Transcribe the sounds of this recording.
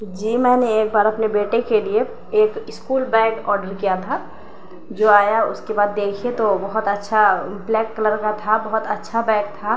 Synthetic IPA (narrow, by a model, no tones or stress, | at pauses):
d͡ʒiːmɛ̃ːneeːk̚baːɾɐpnebeːʈekelie | eːkɪskuːlbɛ̃ːkɔːɾɖəɾkijat̪ʰa | d͡ʒoːaːjaʊskebaːd̪ːeːkʰiet̪obɐɦʊt̪ɐtːʃʰablɛːkːələɾkat̪ʰabɐɦʊt̪ətːʃʰabɛ̃ːk̚t̪ʰa